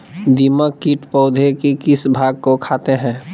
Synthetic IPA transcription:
d̪iməkːiʈpɔʊd̪ʱekikɪsbʱaːɡ̚kokʰaːt̪eɦɛ̃ː

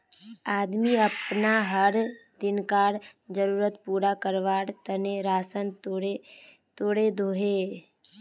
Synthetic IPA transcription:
aːd̪miɐpnaɦəɾd̪ɪnkaːɽd͡ʒəɾuːɾət̪puːɾakəɾʋaːɽt̪əneɾaːsənt̪oe | t̪oːɽed̪ʱoːɦeː

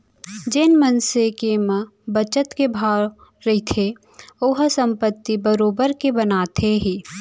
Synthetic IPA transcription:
d͡ʒɪnmənsekemə | bət͡ʃət̪kebʱaː | ɾɐit̪ʰe | oɦsə̃mpət̪ːibəɾoːbəɾkebənaːt̪ʰeɦi

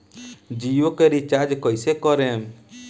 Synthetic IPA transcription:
d͡ʒijokəɾit͡ʃad͡ʒkɔjsekɔɾɛm

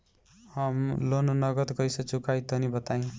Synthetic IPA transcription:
hʌmlononʌɡʌt̪ɡʌjsʌt͡sukajt̪ʌnibʌt̪aj̃

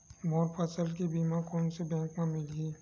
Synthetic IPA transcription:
moːɾpʰəsəlkebimãkɔːnsebɛ̃ːŋkmẽmɪli

